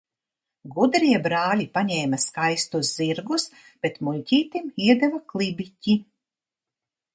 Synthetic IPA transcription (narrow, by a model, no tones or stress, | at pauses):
ɡud̪ɾiɛbɾaːlʲipaɲɛːmaskajst̪uzziɾɡus | b̥et̪mulʲcʲiːt̪imiɛd̪ɛvaklˠibicʲi